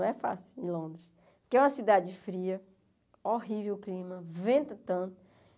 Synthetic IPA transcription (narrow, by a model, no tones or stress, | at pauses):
w̃ɛfa̰sɪwẽlõnd̪ɾɪs | kɪɛũmɐsid̪ad͡ʒɪfɾiɐ | oɦivewʊklĩmɐvẽnt̪ɐt̪ɐ̃nt̪ʊ